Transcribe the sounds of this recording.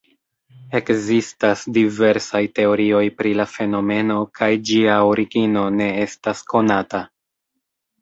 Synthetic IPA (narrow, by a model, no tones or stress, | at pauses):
e̞kzistasdive̞ɾsajte̞o̞ɾio̞jpɾilafe̞no̞me̞no̞kajd͡ʒiaoɾiɡino̞ne̞e̞stasko̞nata